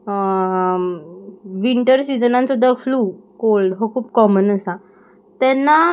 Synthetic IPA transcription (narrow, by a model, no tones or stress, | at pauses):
ʋiɳʈəɾsid͡zənãnsud̪ʱːafluːkolɖɦokʰuːp̚kɔmənəsa | t̪ɛnːa